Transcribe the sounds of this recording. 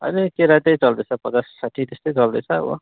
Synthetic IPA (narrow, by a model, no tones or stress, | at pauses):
ʌ̰nikeɾat̪ʌjt͡sʌld̪et͡sʰʌpʌt͡sasːaʈʰit̪est̪ʌjt͡sʌld̪ʌt͡sʰʌ̰ːbʌ̰